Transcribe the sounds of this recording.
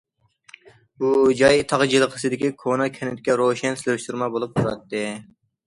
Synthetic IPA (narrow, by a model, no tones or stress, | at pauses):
bud͡ʒɑjt̪ʰɑʁd͡ʒilˠəqʰə̥sɨd̪ɪkʲikʰonɑkʲʰɛnɪt̪ɪkʲɛɾoʃɛnsɪlɪɾʃt̪uɾmɑbolˠup̚t̪ʰuɾɑ̰t̪ːɨ